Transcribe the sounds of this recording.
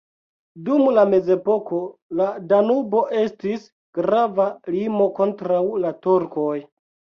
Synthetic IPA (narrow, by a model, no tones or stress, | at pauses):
dumlame̞ze̞po̞ko̞ladanubo̞ʔe̞stis | ɡ̥ɾavalimo̞ko̞ntɾawlatuɾkoj